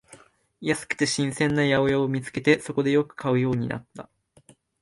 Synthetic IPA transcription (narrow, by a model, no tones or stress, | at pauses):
jasɨ̥kɯ̥t̪e̞ɕĩɰ̃sẽ̞nːajaojaomʲit͡sɨ̥ke̞t̪e̞so̞ko̞d̪e̞jo̞kɯ̥kʰaɯ̟jo̞ːɲ̟ḭna̰t̪ːa̰